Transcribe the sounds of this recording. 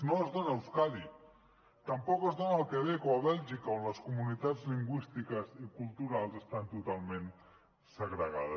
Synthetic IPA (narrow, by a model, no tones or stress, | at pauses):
noəzðonaewskali | t̪əmpɔkəzðonaəːlˠkeβekoaβɛlʒikaonləskumunit̪add͡zliŋɡwist̪ikəzikulˠt̪uɾalˠzest̪ant̪ut̪alˠmẽn | səɣɾəɣa̰ðə